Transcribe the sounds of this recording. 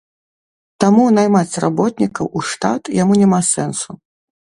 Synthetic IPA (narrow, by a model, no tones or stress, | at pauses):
t̪amunajmat͡sʲra̰bɔt̪̚nʲikɐwuʂt̪a̰t̪jamunʲɛmasɛnsu